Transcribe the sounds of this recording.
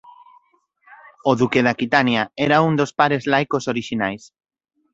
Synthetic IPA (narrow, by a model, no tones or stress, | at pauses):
oðukeðakit̪anjaɛɾaund̪ospaɾezlajkosoɾiʃinajs